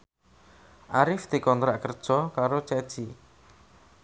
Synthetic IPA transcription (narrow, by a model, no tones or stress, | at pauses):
ʔaɾɪfd̪̥i̤kɔnt̪ɾaʔkərd̥ʒ̥ɔkaɾot͡ʃɛd̥ʒ̥i